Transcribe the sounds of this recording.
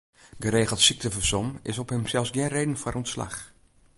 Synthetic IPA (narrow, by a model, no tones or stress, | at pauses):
ɡəɾeːɣəlˠtsik̚təfəsɔmɪsɔphəmsɛlˠsɡɪnreːdən̩foɾɔntsla̰x